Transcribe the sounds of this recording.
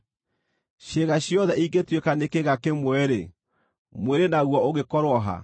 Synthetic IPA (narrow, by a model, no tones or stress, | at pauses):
ʃeɣaɕjɔðɛiɡetwekanekeɣakemwɛɾe | mweɾenaɣwɔoɣekɔɾwɔɦa̰